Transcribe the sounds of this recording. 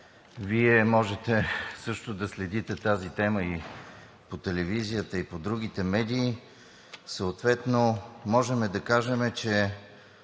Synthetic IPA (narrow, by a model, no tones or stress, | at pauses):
viɛmɔʒɛt̪ɛsɤʃt̪od̪ɐslɛd̪it̪ɛt̪azit̪ɛməi | pot̪ɛlɛvizijət̪əipod̪ɾuɡ̟it̪ɛmɛd̪iː | səot̪vɛt̪nomɔʒɛmɛd̪ɐkaʒɛmɛt͡ʃɛ